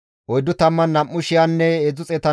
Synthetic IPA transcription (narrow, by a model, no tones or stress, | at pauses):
ʔɔjd̪ʊt̪ɐmːɐnːɐmːʊʃɪjanːɛɛzʊt͡sʼɛt̪ɐ